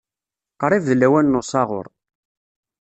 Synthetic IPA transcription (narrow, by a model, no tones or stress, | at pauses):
qɾˤivðlːæwænːʊsˤɑʁʊ̰ɾˤ